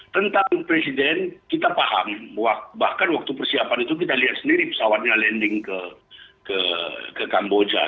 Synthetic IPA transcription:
t̪ənt̪aŋpɾesidɛnkit̪apaha̰mwabahkanwak̚t̪upərsiapanit̪uk̬it̪aliɦat̪̚səndiɾipə̥sawat̪̚ɲalɛndɪŋkəkəkəkambod͡ʒa̰

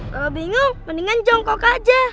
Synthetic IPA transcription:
kalobiŋʊŋmaniŋand͡ʒɔŋkɔkad͡ʒa

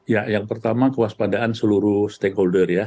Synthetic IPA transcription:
jajaŋpərt̪amakəwaspadaʔansəluɾust̪ekholdərja

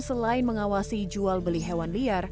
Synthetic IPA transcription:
səlaɪnməŋawasid͡ʒualbəliɦewanliar

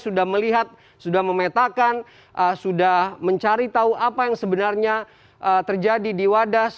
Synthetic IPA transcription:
sudahməliɦat̪̚ | sudahməmet̪akan | ʔəsudahməɲt͡ʃaɾit̪auapajaŋsəbənarɲa | ʔət̪ərd͡ʒadidiwadas

